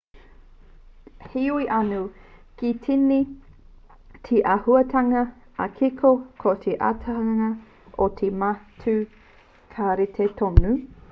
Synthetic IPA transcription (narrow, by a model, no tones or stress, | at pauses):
hiuiʔɐnukitʰini | tʰiʔɐhuɐtʰɐŋɐ | ɐkʰikʰokʰotʰeʔa̰tʰaŋɐ | ʔotʰematʰʉ | kʰaɾitʰetʰonu